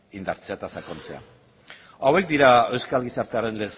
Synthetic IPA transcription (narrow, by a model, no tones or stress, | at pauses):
ind̪aɾt͡seat̪asakont͡se̞a̰ | awe̞kd̪iɾae̞wskalɣisaɾt̪eaɾe̞nles